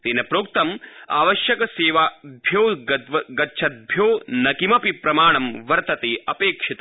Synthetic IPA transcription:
t̪eːnɐpɾoːk̚t̪ɐma̰ːʋɐʃjɐkɐseːʋaːbʱjoːɐʋɐɡɐtːʃʰɐd̪̚bʱjoːnɐkimɐpipɾɐmaːɳɐmʋɐɾt̪ɐt̪eːɐpeːkʂit̪ɐ

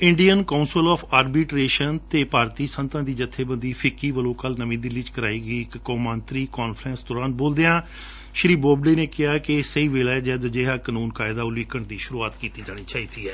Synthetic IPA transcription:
ɪɳɖijənkaːʊnsəlɔːpʰaːɾbiːʈɾeːʃənt̪eːpaːɾt̪iːsənt̪ãːd̪iːd͡ʒət̪ʰːeːbənd̪iːpʰɪkːiːʋəlõːkəlnəmĩːd̪ilit͡ʃkəɾaːiːɡəiːɪkːoːmənt̪ɾiːkɔːnpʰɾɛ̃ːnsd̪ɔːɾaːnboːld̪eːãː | ʃɾiːboːbɖeːneːkɪɦaːkɪsəiːʋeːlaːd͡ʒɛːd̪d͡ʒeːɦaːkənuːnkaːɪd̪aːʊliːkəɳd̪iːʃʊɾuːaːt̪kiːt̪iːd͡ʒaːɽ̃iːt͡ʃaːiːt̪iːɛː

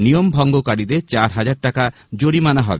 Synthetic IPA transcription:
nijombʱɔŋɡokaɽid̪et͡ʃaɾɦad͡ʒaɽ̚ʈaka | d͡ʒoɽimanaɦɔbe

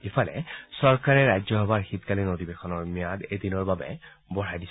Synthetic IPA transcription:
ipʰalɛ̰sɔɹkaɹɛɹajzɔɦɔbaɹxitkalinodibexɔnɔɹmijadedinɔɹbabɛ̰ | bɔɹajdis

